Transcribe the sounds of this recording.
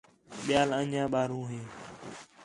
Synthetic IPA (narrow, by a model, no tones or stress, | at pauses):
ɓɪjaːləɲãːɓaːɾũːɦeː